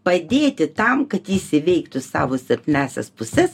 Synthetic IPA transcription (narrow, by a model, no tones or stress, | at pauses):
pɐd̪ʲeːt̪ʲɪt̪ɐmkɐt̪jiːsʲɪʋʲɛɪkt̪ʊsɑ̰ːʋoːsʲɛrʲt̪ʲɪnʲæːsʲɛ̰spʊsʲɛs